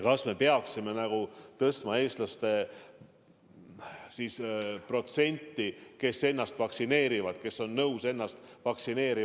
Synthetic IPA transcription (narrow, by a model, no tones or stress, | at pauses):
kɑsme̞pe̞ɑksime̞næɡ̥ut̪ɤst̪mɑe̞ːst̪lɑst̪e̞ | sispro̞t̪se̞nʲt̪ːike̞sːe̞nːɑst̪vɑksine̞ːɾivɑd̪̥ke̞so̞nːɤwse̞nːɑst̪ | vɑksine̞ːɾi